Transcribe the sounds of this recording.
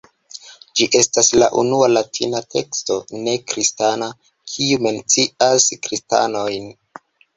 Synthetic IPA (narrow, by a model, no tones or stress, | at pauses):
d͡ʒiʔe̞stasla̰ʔṵnualatʰinatʰe̞ksto̞ne̞kɾistana | kʰiume̞nt͡siaskɾista̰no̞jn